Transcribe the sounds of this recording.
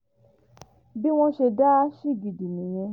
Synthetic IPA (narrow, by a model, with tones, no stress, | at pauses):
bi˦w̃ɔ̃˦ʃe˧da˦ʃi˦˨ɡi˨di˨nĩ˨j̃ɛ̃˧